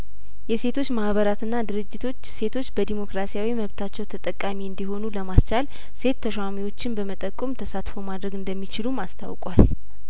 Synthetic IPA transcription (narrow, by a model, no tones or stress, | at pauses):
jɛse̞t̪ʰo̞t͡ʃːmahβəɾat̪ʰɨnːad̪ɨɾɨd͡ʒːɪt̪ʰo̞t͡ʃːse̞t̪ʰo̞t͡ʃːbəd̪imo̞kɾasijawiməβt̪ʰat͡ʃːɛwt̪ʰət̪ʼəkʼːamiɨnd̪iɦo̞nuləmast͡ʃal | se̞t̪ʰːəʃwamiwo̞t͡ʃːɪnbəmət̪ʼəkʼːumt̪ʰəsat̪fowmad̪ɾəɡɨnd̪əmːit͡ʃɪlumast̪ʰa̰wkʼwal